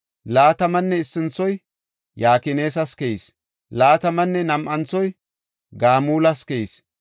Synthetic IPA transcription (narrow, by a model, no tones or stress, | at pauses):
laːt̪ɐmɐnːɛɪsːɪnt͡sːɔj | jaːkɪne̞ːs̬ɐskɛjis | laːt̪ɐmɐnːɛnɐmʔɐnt͡sːɔj | ɡaːmuːlɐskɛis